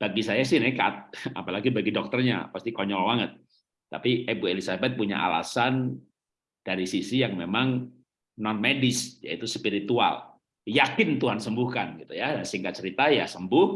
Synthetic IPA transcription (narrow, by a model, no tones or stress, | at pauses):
b̥aɡisajasɪhnɛka̰t̪̚a̰palaɡibaɡidɔk̚t̪ərɲa̰past̪ikɔɲɔlbaŋət̪̚ː | a̰piʔebuelisabɛt̪̚puɲa̰ʔa̰la̰san | d̥aɾisisijaŋmemaŋ | nɔnmedɪsja̰it̪uspiɾit̪ua̰l | jakɪnt̪uɦansəmbʊhkanɡit̪ujadasiŋkat̪̚t͡ʃəɾit̪ajasəmbʊh